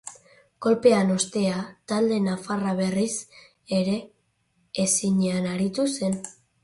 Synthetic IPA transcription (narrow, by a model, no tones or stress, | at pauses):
ko̞lpe̞ano̞st̪e̞at̪ald̪e̞nafaraβ̞e̞ris | e̞ɾe̞ː | siɲeanaɾit̪use̞n